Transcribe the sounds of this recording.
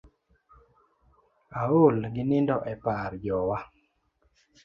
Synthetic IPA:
aolɡɪnɪndɔʔɛpaɾd͡ʒɔwa

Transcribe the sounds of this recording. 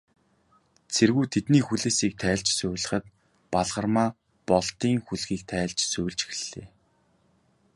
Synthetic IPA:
t͡sʰerɣujt̪ʰet̪niːxuɮeːsiːk̚t̪ʰæːɮt͡ɕsʊːwɮə̆χə̆t̪̚ | paɮʁə̆rmaː | pɔɮt̪iːŋxuɮɣiːk̚t̪ʰæːɮt͡ɕsʊːɮt͡ɕ̆x̆ɮːḛː

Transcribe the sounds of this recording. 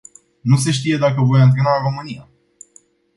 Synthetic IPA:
nus̬e̞ʃ̬t̪ije̞d̪akəvo̞jɨnt̪ɾe̞naro̞mɨnija

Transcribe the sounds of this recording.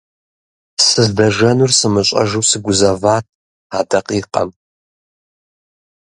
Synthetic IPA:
sɨzdɐʒɐnursɨmɨɕʼɐ̰ʒɨwsɨɡʷʊzɐvaːt̚ʰ | aːdɐqʼiːqʼɐ̰m

